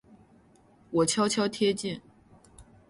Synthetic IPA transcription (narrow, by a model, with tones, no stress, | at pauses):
wɔ˨˩t͡ɕʰjɑ˥ʊt͡ɕʰjɑ˥ʊt̪ʰjɛ˥t͡ɕi˥˩n